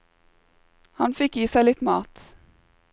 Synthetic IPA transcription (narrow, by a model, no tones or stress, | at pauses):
hɑnfɪkiːsæɪlɪt̪mɑ̰ːt̪